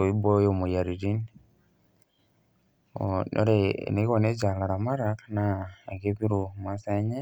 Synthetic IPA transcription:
o˨i˦bo˦jo˦mu˨ja˨ɾi˨ɾi˦n | o̰no̰˦ɾḛ˦˨ne˨˦o˨ne˦d͡ʒa˨la˨ɾa˨ma˦ɾa˨ka˦naː˦˨ɡe˦βi˦ɾu˨ma˦sa˦ɲe˦

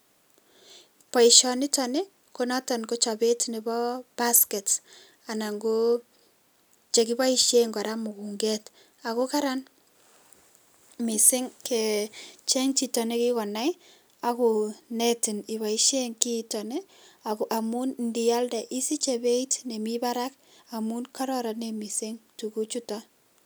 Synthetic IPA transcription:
pɔ˨i˨ʃɔ˨nɪ˦tɔ˨ne˦ | ko˦nɔ˦tɔ˨nko˦t͡ʃɔ˨be˦tne˨bɔ˦b̥a˦skɛ˨t | a˨na˨ŋɡo˦ | t͡ʃe˨ki˦ba˦i˦ʃe˦ŋɡa˨ɾa˦mʊ˨ku˨ŋɡe˦t | a˨ku˦ka˦ɾa˦n | mɪ˨sɪ˦ŋkʰɛ˨t͡ʃe˦ŋt͡ʃi˨tɔ˨ne˦ki˦kɔ˨na˦j | a˦ku˨nɛ˦tɪ˨nɪ˨βa˨i˦ʃe˦ŋki˦tɔ˨ne˦ | a˨kʔa˨mu˦nndi˨a˦lda˨ʔi˦si˦t͡ʃe˨be˦i˦tne˨mi˦ba˦ɾa˦k̚ | a˨mu˦nka˦ɾɔ˦ɾa˨ne˨mi˨sɪ˦ŋtu˨ku˦t͡ʃu˦tɔ˦

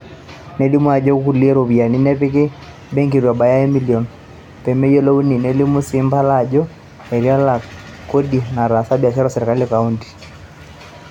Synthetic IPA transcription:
nɛ˦li˦mu˦a˨d͡ʒɔ˦ku˦˨li˦ɛ˦ɾo˨βi˨a˨ni˦nɛ˦pɪ˦kɪ˦ | bɛ˦ŋki˨ɾwa˨ba˨ja˦ɛ˦mi˦li˨ɔ˨n | pɛ˨mɛ˦jɔ˦lɔ˦u˦ni˨nɛ˦li˦mu˦si˨˦mba˦la˦˨d͡ʒɔ˦ | ɛ˨ɾi˦a˦la˨ | ko˦di˨na˨ɾa˨sa˦bja˨ʃa˦ɾɔ˦sɛ˨ɾɛ˨ka˦li˦ka˨u˦nti̥˨

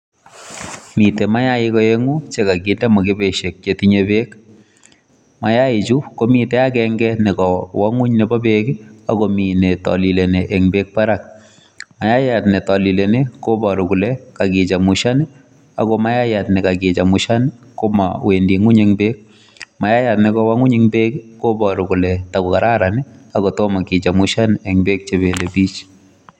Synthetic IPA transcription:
mi˨te˨ma˦ja˦ɪ˦kɔ˦e˦ŋu˦t͡ʃe˦ka˨ɡi˦ndɛ˦mɔ˨ke˦be˨ʃe˨k̚t͡ʃe˨ti˦ɲe˦be˦k | ma˨ja˦ɪ˨t͡ʃu˦ko˦mi˨tɛ˦a˦kɛŋɡɛnɪ˨kɔ˨wɔ˦ŋu˦ɲne˨bɔ˦be˦kɪ˦a˨ko˦mi˨ne˨tɔ̰˨li˨le˨neʔe˨ŋbek̚pa˦ɾa˨k̚ | ma˦ja˦ja˨tne˨tɔ˨li˨le˨ne˦ko˦bɔ˨ɾʊ˨kʊ˨lɛ˨ka˨kɪ˨t͡ʃa˨mʊ˨ʃa˦nɪ˦ | a̰˨kɔ˦ma˦ja˦ja˨tnɪ˨ka˨kɪ˨t͡ʃa˨mʊ˨ʃa˦nɪ˦ko˦ma̰˨we˨ndi˨ŋu˦ɲeŋbe˦k̚ | ma˨ja˦ja˨tnɪ˨kɔ˦wa˦ŋu˦ɲeŋbe˦kko˦bɔ˨ɾʊ˨kʊ˨lɛ˨ta˨kɔ˨ka˨ɾa˦ɾa˨nɪ˦a˨kɔ˨tɔ˦ma˨ki˨t͡ʃa˨mʊ˦ʃa˦nɛ˨ŋbe˦k̚t͡ʃe˨be˨le˨biː˦t͡ʃ

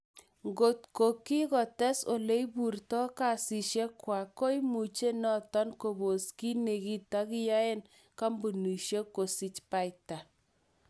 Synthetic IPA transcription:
ŋɡo˨t̚ko˨ki˦kɔ˨tɛ˦so˨le˦bu˨rtɔ˦ka˨si˨ʃe˦kwa˨ko˦jmu˨t͡ʃe˦nɔ˦tɔ˦nko˨bo˨ski˦ne˨ki˦ta˦kɪ˦ja˦e˦n | ka˦mbu˨nu˨ʃje˦kːo˨si˦t͡ʃpa˦jta˨

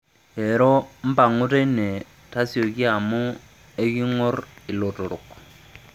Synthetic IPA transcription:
e˨ɾɔ˦m̩˦pa˨ŋʊ˦te˦ne˨ | ta˦sjo˨ki˦a˨mʊ˦ | e˦ki˦ŋɔ˦rɪ˨lo˨to˨ɾo˨k

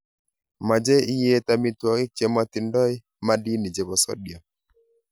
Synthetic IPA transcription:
ma˨d͡ʒe˦i˦je˦ta˦mi˦twɔ˨ŋɪ˦k̚t͡ʃe˦ma˦t̪ɪ˨ndɔ˦ɪ˦ | ma˦di˦ni˨d͡ʒe˨bɔ˨sɔ̰˦djɔ˨

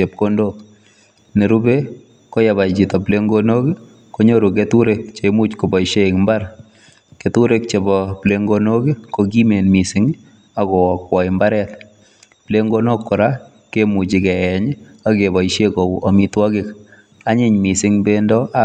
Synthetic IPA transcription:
t͡ʃe˨p̚kondok | ne˨ɾu˦be˦ | ko˦ja˨ba˨jt͡ʃi˨tɔ˨ple˦ŋɡono˦ki˦ | ko˦ɲoɾu˨k̬etu˦ɾek̚t͡ʃe˨mut͡ʃko˨bɔ˨iʃe˦kmbaɾ | ketuɾek̚t͡ʃe˨bɔpleŋɡono˦ki˦koɡi˦me˨nmi˨sɪŋ | aɡɔ˨kwɔ˨ɪmba˦ɾɛ˦t | ple˦ŋɡo˦no˦kːɔ˨ɾa | kemu˨t͡ʃɪ˨kɛ˨jɛ˨ɲ | akeba˨iʃekɔ˨wɔ˨mitwɔkɪk | a˦ɲɪ˨ɲmi˨sɪŋbendɔ˦ʔa

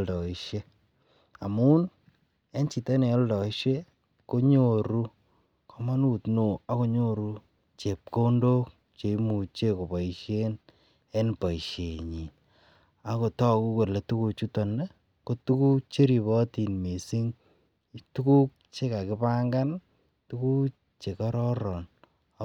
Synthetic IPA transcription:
ldɔ˨i˦ʃe˦ | a˨mu˦n | e˦nt͡ʃi˨te˦ne˨ɔ˦ldɔ˨i˦ʃe˦ | ko˦ɲo˨ɾu˦ | kɔ˨ma˦nu˨tno˨a˦ko˦ɲo˦ɾu˦ | t͡ʃe˨p̚ko˦ndo˦k̚ | t͡ʃe˨i˦mu˨t͡ʃe˦ko˨pa˨i˨ʃe˦n | e˦npa˨i˨ʃe˨ɲi˨n | a˨ko˨tɔ˦ku˦ko˨le˨tu˦ku˧t͡ʃu˦to˨ne˦ | ko˦tu˦ku˦t͡ʃe˦ɾi˨βɔ˦ti˨nme˨si˦ŋ | tu˦ku˦k̚ | t͡ʃe˦ka˨kɪ˦pa˦ŋɡa˦n | tu˦ku˦ | t͡ʃe˨kɔ˦ɾɔ˦ɾɔ˨n˦

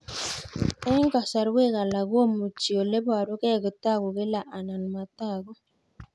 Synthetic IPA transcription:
ɛ˦ŋɡa˨sa˨ɾwe˦˨ɣa˨la˨ɣwo˦mu˨t͡ʃi˨o˨le˦ba˨ɾo˦kɛ˦˨ɣo˨ta˦˨ɣo˨ɣe˦la˨ʔa˨na˨nu˨ma˨ta˦˨ɣo˦

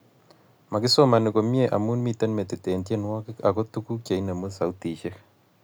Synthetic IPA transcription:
ma˨kɪ˦so˦ma˨nɪ˨ko˨mje˨ʔa̰˨mu˦nmi˨te˦nme˨tɪ˨te˨ntje˦nwɔ˦kɪ˦ka˨kɔ˦tu˦ku˦kja˨jnə˨mu˦sa˨u˦ti˨ʃe˦k

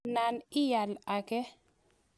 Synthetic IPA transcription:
na˨nɪ˦ja˨la˨kɛ˦

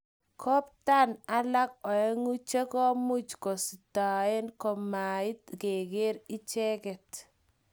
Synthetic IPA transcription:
kʰɔ˦p̚ta˦na˦la˦k̚ɔ˨ɛ˦ŋu˦t͡ʃe˦kɔ˦mu˦t͡ʃkɔ˨si˨ta˨e˦nkɔ˨ma˨ɪ˦tke˨ke˦ɾi˦t͡ʃɛ˦kɛ˨t

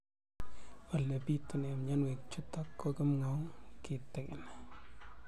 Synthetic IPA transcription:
a˨le˨pi˦tːɪ˨ne˨mɲa˦nwe˨k̚t͡ʃu˦tːa˦kːɔ˦kɪ˦mŋɔ˦ŋkɪ˨tɛ˨kɪ˨n˨

